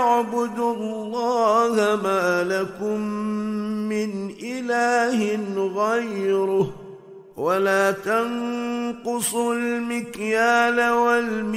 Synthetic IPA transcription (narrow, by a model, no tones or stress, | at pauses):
ʕbʊd̪ʊlːɑːhamaːlakʊmː | ɪnʔɪlaːhɪnɣajɾʊh | walaːt̪anqʊsˤʊlmɪkjaːnawalm